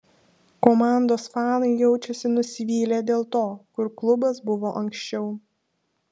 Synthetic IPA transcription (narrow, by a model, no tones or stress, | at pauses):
komɑˑnd̪oːsfɑːnɐɪjɛʊt͡ʃʲɛsʲɪnʊsʲɪʋʲiːlʲed̪ʲeːlˠt̪oːkʊɾklˠʊbɐsbʊʋoːʔɐŋʲkʃʲt͡ʃʲɛʊ